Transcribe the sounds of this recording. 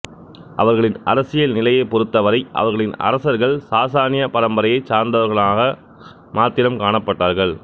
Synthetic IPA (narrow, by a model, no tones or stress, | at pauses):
ʔɐ̰ʋɐɾɣɐɭɪnɐ̰ɾɐsɪjɐlnɪlɐjɐɪpːɔɾɯt̪ːɐʋɐɾɐɪʔɐ̰ʋɐɾɣɐɭɪnɐ̰ɾɐsɐɾɣɐɭsaːsaːnɪjɐpɐɾɐmbɐɾɐjɐɪt͡ʃaːɾnd̪ɐʋɐɾɣɐɭaːɣɐ | maːt̪ːɪlɐmkaːɳɐpːɐʈːaːɾɣɐɭ